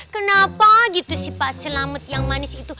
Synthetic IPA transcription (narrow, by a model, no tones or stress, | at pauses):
kənapaɡit̪usihpaʔsəlamət̪jaŋmanɪsit̪u